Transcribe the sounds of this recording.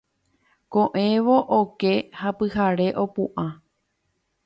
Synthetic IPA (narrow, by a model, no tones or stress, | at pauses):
kõʔẽ̞ʋo̞ʔokehapɨhaɾe̞ʔo̞puʔã